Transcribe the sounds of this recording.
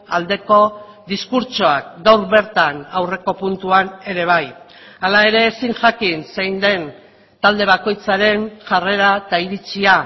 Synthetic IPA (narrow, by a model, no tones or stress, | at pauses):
ald̪e̞ko̞ | ðiskuɾt͡ʃoak̚ɡawɾβe̞ɾt̪anawre̞ko̞punt̪uane̞ɾe̞β̞aj | alae̞ɾe̞ːsiŋʝakinsejnd̪e̞n | t̪ald̪e̞βako̞jt͡saɾe̞nʝare̞ɾat̪aiɾit͡sia